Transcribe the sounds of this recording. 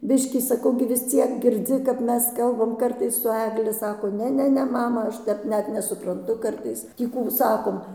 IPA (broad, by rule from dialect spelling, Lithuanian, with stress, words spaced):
ˈbʲɪʃʲkʲiː sɐˈkɐʊ ɡʲɪ ʋʲɪs ˈt͡sʲiɛk ɡʲɪrʲˈd͡zʲɪ kɐp ˈmʲɛs ˈkɐlˠbɐm ˈkɐrtɐɪs sʊ ˈæːɡlʲɪ ˈsɑːkoː ˈnʲɛ ˈnʲɛ ˈnʲɛ ˈmɑːmɐ ˈɐʃ ˈtʲɛp ˈnʲɛt nʲɛsʊprɐnˈtʊ ˈkɐrtɐɪs ˈtʲiː kuː ˈsɑːkoːm